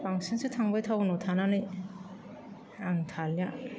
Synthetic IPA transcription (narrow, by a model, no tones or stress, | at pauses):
paŋsɯnsʰɯtʰaŋbajtʰawnotʰananɯj | aŋtʰalja